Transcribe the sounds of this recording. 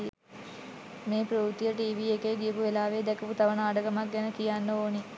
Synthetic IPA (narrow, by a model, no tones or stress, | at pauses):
meːpɾuːt̪ijəʈiːʋiekejɡijəpuʋelaːʋeːd̪ɛkəput̪aʋənaːɖəɡamak̚ɡɛnəkijanːəoːni